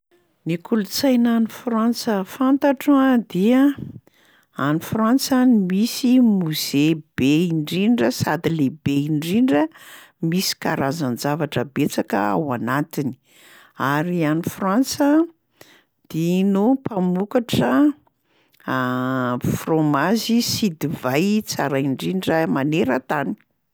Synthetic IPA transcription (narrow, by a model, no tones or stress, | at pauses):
nikʰulut͡sajnanifransəfant̪aʈ͡ʂad̪iə | anifrant͡sanimisimuz̥eb̥eiɳɖ͡ʐiɳɖ͡ʐəsad̪ilebeiɳɖ͡ʐiɳɖ͡ʐə | misi̥kaɾazanzavaʈ͡ʂəbet͡sakə̰a̰wanat̪ini̥ | aɾianifrant͡sə | d̪̥inupamukaʈ͡ʂə | fromazisid̪ivajt͡saɾajɳɖ͡ʐiɳɖ͡ʐəmaneɾət̪ani̥